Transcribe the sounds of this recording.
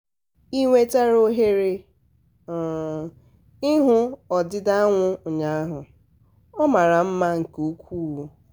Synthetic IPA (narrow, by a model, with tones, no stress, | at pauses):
i˦ŋʷe˦ta˦ɾo˦ɦe˦ɾe˦˨ | ɪ˦ɦʊ˦ɔ˨dɪ˦da˦a˦ŋʷʊ˦ʊ˨ɲa˨˦a˦ɦʊ˨ | ɔ˦ma˨ɾa˨m̩˦ma˦ŋ̩˨ku˦kʷuː˦wo˨